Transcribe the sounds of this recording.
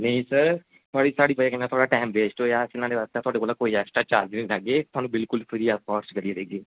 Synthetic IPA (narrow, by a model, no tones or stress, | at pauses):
nəĩːsəɾ | t̪ʰʊaːɽiːsaːɽiːpəaːkɛnat̪ʰʊaːɽaːʈaːmbeːsʈoːjaːsinãːdeːʋaːst̪ãːt̪ʰʊaːɖeːkoːlãːkoːiːɛːksʈɾaːt͡ʃaːɾd͡ʒnĩːlaːɡeːt̪ʊaːnũːbɪlkʊlpʰəɾiːakɔːɾskəɾiɾeːd͡ʒiː